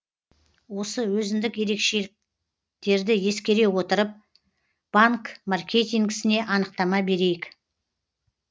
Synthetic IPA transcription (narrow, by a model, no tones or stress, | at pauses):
wo̞səwɵzɪnd̪ɪkje̞ɾe̞kʃe̞lɪk̚ | t̪e̞ɾd̪ɪje̞skʲe̞ɾe̞wo̞t̪əɾəp̚ | b̥aŋkmarkʲʰe̞t̪ʲijŋɡʲɪsɪne̞ʔɑnəq̚t̪ɑmɑbe̞ɾe̞jɪk